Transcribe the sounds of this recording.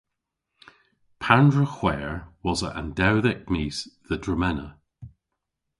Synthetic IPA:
pʰandɹəxw̥ɛːɹwɔzəʔã̰ndɛwðɛk̚misðədɹəmɛnə

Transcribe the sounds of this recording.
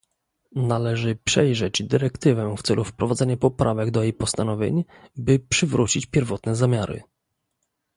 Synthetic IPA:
nalɛʐɘpʂɛjʐɛd͡ʑd̪ɘɾɛkt̪ɘvɛft̪sɛ̰lʔufpɾɔvad̪zɛɲapɔpɾʔavɛɡd̪ɔjejpɔst̪anɔvʲjḛɲ | bɘpʂɘvɾut͡ɕit͡ɕpʲjɛɾvɔt̪nɛzamʲjaɾɘ̰

